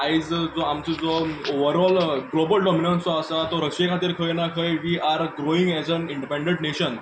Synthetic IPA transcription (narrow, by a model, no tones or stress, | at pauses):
aid͡zd͡zɔamt͡səd͡zɔoʋəɾɔlɡlobəlɖɔminəɳʈsɔəsat̪ɔɾəkɕekʰãt̪iːɾkʰəjnakʰəjʋiːaɾɡɾoĩŋɡɛzənĩɳɖipẽɳɖẽɳʈneɕən